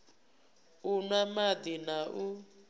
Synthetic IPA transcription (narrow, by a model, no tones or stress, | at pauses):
unamad̪inaʔu